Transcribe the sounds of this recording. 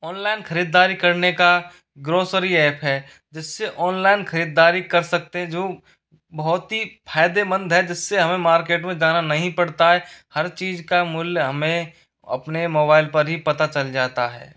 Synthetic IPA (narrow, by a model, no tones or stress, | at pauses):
ɔːnlaːɪnxɐɾiːd̪ːaːɾikɐɾneka | ɡɾoːsəɾiɛːpʰɦɛː | d͡ʒɪsːeʔɔːnlaːɪnxʰɐɾiːd̪ːaːɾikɐɾsɐk̚t̪eɦɛ̃d͡ʒoː | bɐɦt̪ɦipʰaːɪd̪ebə̃nd̪ʱɦɛd͡ʒɪsːeɦɐmẽmaːɾkeːʈmẽd͡ʒaːnanɐɦĩpɐɽt̪aɦɛhɐɾt͡ʃiːzkamʊljɦɐmẽ | ɐ̰pnemoːbaːɪlpɐɾɦipɐt̪at͡ʃɐld͡ʒaːt̪aɦɛ̰ː